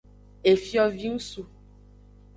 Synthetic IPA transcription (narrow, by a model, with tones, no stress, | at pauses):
e˨fjɔ˦vi˦ŋũ˦su˨